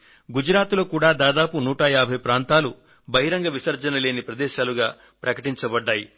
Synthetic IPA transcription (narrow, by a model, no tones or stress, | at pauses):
ɡud͡ʒɾaːt̪lo̞ːkuːɽaːd̪aːd̪aːpunuːʈɐjaːbʱɐjpɾaːnt̪aːlu | bɐɦiɾɐŋɡɐʋisɐɾd͡ʒɐnɐle̞ːnipɾɐd̪ɛːʃaːluɡaː | pɾɐkɐʈiɲt͡ʃɐbɐɖːaːji